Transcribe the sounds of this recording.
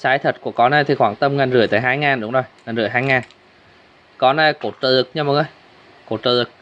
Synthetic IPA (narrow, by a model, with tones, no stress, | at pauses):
t͡ɕaː˨˦jt̪ʰə˨˩t̚ku˧˩əkɔ˨˦nə˧jt̪ʰi˨˩xwaː˧˩ŋt̪ə˧mŋaː˨˩nzɨ˧˩əjt̪a̰ː˧˨jɦaː˧jŋaː˨˩nɗʊ˨˦ŋ͡mzo˨˩jŋaː˨˩nzɨ˧˩əjɦaː˧jŋaː˨˩n | kɔ˨˦nə˧jko˧˩t̚t͡ɕə˨˧˩lɨ˨˩k̚ɲa˧mə˨˦ʔə˧j | ko˨˧˩t̚t͡ɕəː˧˩zɨ˨˩k̚